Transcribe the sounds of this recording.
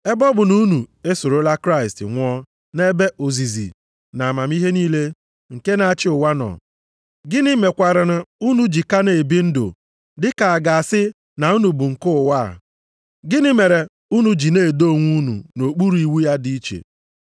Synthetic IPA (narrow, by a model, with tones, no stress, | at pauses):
e˦bɔ˦bʊ˨nu˦nu˨e˦so˨ɾo˦la˦kɾa˦ɪ˨stɪ̰˨ŋʷ˦ɔ˦ | ne˦be˦ʔo˨zi˨zḭ˨ | na˨ma˨m˦i˦ɦe˦niː˦le˦ | ŋ̩˨ke˦na˨a˦t͡ʃɪ˦ʊ˨wa˦nɔ̰˨ | ɡɪ˦nɪ˦me˨kʷa˨ɾa˨ɾʊ˨u˦nu˦d͡ʒi˨ka˦ne˨e˨bi˦n̩˦do̰˨ | dɪ˦ka˨a˨ɡa˨a˨sɪ˦ | na˨u˦nu˨bʊ˨ŋ̩˨kʊ˦ʊ˨wa̰˦˨ | ɡɪ˦nɪ˦me˨ɾe˨ | u˦nu˨d͡ʒi˨ne˦˨do˦˨ŋʷu˦nṵ˨no˨k͡pu˦ɾu˨˦i˨wu˦ja˦di˦i˦t͡ʃḛ˨